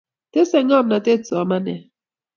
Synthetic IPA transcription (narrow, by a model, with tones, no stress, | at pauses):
te˦sɛ˨ŋa˦˨mna˨te˦t͡sɔ˨ma˦nɛ˨